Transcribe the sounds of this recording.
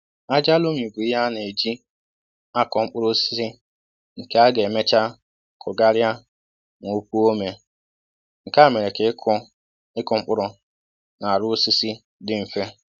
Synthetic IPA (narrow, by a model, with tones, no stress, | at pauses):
a˦d͡ʒa˦lo˦mi˨bu˨ɪ˦ɦa˦ne˨d͡ʒi˦ | a˦kɔ˨ŋ͡m̩˦k͡pʊ˦ɾʊ˦si̥˦si˦ | ŋ̩˨ke˦a˦ɡe˨me˦t͡ʃa˦ | kʰʊ˨ɡa˦ɾja˦ | ŋʷo˦p̚u˦o˦me˨ | ŋ̩˨ka˦˨me˨ɾe˨ke˨˦k | ɪ˦kʊ˨ŋ͡m̩˦k͡pʊ˦ɾʊ˦ | na˨ɾʊ˦si˦si˦ | dɪ˦m̩˨fe˦